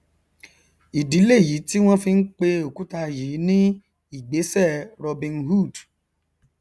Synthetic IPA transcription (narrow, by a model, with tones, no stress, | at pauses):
i˨di˨˦le˦˨ji˨˦ti˦w̃ɔ̃˦fi˧n̩˦k͡pe˧o˨ku˨˦ta˧ji˨˦nĩ˦ | i˦˨ɡ͡be˨˦sɛ˦˨ɾɔ˧bĩ˧nhu˦˨d